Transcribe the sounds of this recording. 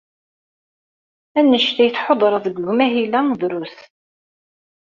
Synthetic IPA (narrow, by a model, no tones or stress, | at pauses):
ænːəʃt̪æjəθħod̪ˤɾˤɑðəɡɣmæɦilænðɾus